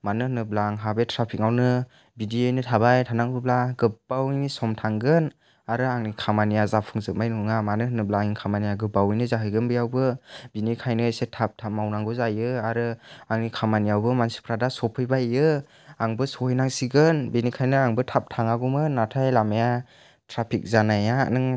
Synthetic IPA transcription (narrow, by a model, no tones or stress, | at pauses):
manɯhɯnɯblaŋɦabetʰɾapʰik̚ŋawnɯ | bidiejnɯtʰabajtʰanaŋbɯblaɡɯb̥awnisɔmtʰaŋɡɯn | aɾɯaŋnikʰamanijazapʰɯŋzɯk̚majnɯŋamanɯɦɯnɯblaŋiŋkʰamanijaɡɯbawijnɯzaɦɯjɡɯnbɯjawbɯbinikʰajnɯsetʰap̚tʰamawnaŋɡɯzajɯaɾɯaŋnikʰamanijawbɯmansi̥pʰɾadasɔpʰɯjbajɯ | aŋbɯsɔhɯjnaŋsiɡɯnbinikʰajnɯaŋbɯtʰap̚tʰaŋaɡumɯnːatʰajlamaja | tʰɾapʰik̚zanaja̰nɯŋ